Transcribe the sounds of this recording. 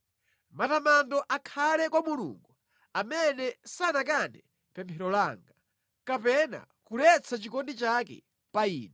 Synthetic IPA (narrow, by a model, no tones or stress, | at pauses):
matamandɔʔakʰalɛkwamulṵŋɡu | amɛnɛsanak̬anɛ | pɛmpʰɛɾɔlaŋɡa | kapɛna̰ | kulɛt͡sʰat͡ʃikɔndit͡ʃakɛ̰ | paiːnɛ